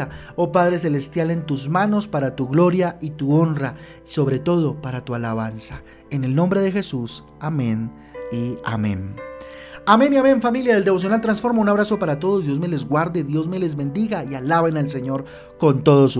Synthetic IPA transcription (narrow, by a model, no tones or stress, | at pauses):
a | opaðɾe̞s̬e̞le̞st̪jale̞nt̪uzmano̞spaɾat̪uɣlo̞ɾjait̪uo̞nra | so̞βɾe̞t̪o̞ðo̞paɾat̪ualaβansa | e̞ne̞lnõ̞mbɾe̞ð̞e̞xe̞sus | amẽ̞n | ia̰mḛ̃n | ame̞niamẽ̞nfamiljaðe̞ld̪e̞βo̞s̬jonalt̪ɾansfo̞ɾmaunaβɾaso̞paɾat̪oðozd̪jo̞zme̞le̞zɣwaɾd̪e̞ðjo̞zme̞le̞zβe̞nd̪iɣaialaβenals̬e̞ɲo̞ɾ | ko̞nt̪o̞ðosu